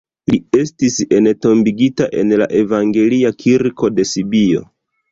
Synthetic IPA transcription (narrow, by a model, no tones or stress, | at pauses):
lie̞stise̞nto̞mbiɡitaʔe̞̰nla̰ʔe̞vaŋɡe̞liakʰiɾko̞de̞sibio̞̰